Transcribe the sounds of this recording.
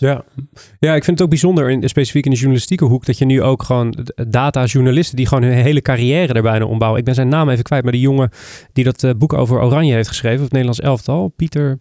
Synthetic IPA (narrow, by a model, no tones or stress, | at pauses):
jajaːɪkfɪndətowɡ̚bizɔndəɹɪnspejsi̥fikɪndəʒuɹnalɪstikəɦukdɑtjənyʔowkχəʋowndaːtaːʒuɹnalɪstədiχəʋownɦɵnɦejləkaːrijɛːrədaɹbɛjna̰ʔɔ̰mbawəʔɪɡ̚bɛnzɛjnːaːmejvəkʋɛjtmaːɹdəjʊŋəd̥idɑtbuko̰wvəɹʔo̰wrɑnjəɦejftχəsχrejvəɔnejdəlɑnsɛ̰lˠftɑlˠpitəɹ